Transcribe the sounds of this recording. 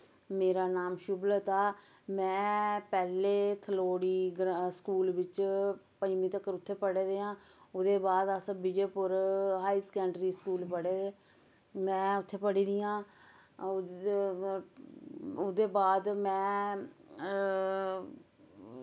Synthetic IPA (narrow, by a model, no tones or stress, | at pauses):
meːɾaːnaːmʃʊblət̪aː | mɛ̃ːpɛːleːt̪ʰəloːɽiːɡɾskuːlʋɪt͡ʃpəmiːt̪əkːəɾʊt̪ʰːeːpəɽeːd̪eːãː | ʊd̪eːbaːd̪əsbɪd͡ʒeːpʊɾɦaːiːsə̥kɛ̃ːɳɖɾiːskuːlpəɽeeː | mɛ̃ːʊt̪ʰːeːpəɽiːd̪ijãː | ʊd̪eːbaːd̪mɛ̃ː